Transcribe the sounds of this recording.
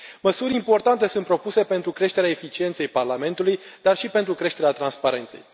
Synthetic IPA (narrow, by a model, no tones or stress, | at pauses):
məsuɾʲimpo̞rt̪ant̪e̞sunt̪pɾo̞puse̞pe̞nt̪ɾukɾe̞ʃt̪eɾeaefit͡ʃient̪se̞jparlame̞nt̪ulujd̪arʃipe̞nt̪ɾukɾe̞ʃt̪e̞ɾeat̪ɾanspaɾe̞nt̪se̞̰j